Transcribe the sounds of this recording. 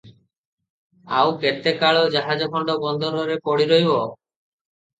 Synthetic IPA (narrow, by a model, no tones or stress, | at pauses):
a̰wket̪ekaɭɔd͡ʒaɦad͡ʒɔkʰɔɳɖɔbɔnd̪ʱɔɾɔɾepɔɽiɾɔɦibɔ